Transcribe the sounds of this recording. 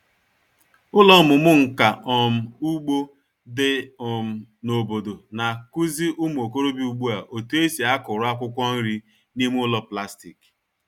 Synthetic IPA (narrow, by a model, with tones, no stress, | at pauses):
ʊ˦lɔ˦mʊ˨mʊ˦ŋ̩˨ka˨ʔɔ˨m̩˨u˦ɡ͡bo˦ | dɪ˦ɔ˨m̩˨no˨bo˨do˨na˨ku˦zi˦ʔʊ˦m˦˨o˨ko˦ɾo˦bi˦u˨ɡ͡bu˦a˨ʔo˨tu˦e˦si˨a˦kʊ˨ɾʊ˦a˦kʷʊ˦kʷɔ˦n̩˦ɾi˦ | ni˦m˦ʊ˦lɔ˦pla˦stḭ˨k